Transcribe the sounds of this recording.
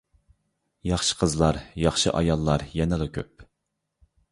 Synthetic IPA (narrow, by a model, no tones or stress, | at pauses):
jɑχʃə̥qʰəzlˠɑɾjɑχʃɨʔɑjɑlˠːɑɾjɛnɪlˠɨkʲʰøp̚